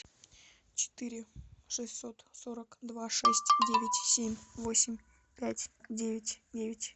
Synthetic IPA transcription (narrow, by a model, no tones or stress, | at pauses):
t͡ɕɪ̥t̪ɨɾʲɪʂɨsʲt̪so̞t̪soɾəkd̪vaʂɛsʲtʲdʲevʲɪtʲsʲemʲvo̞sʲɪmʲ | pʲætʲdʲevʲɪtʲdʲevʲɪtʲ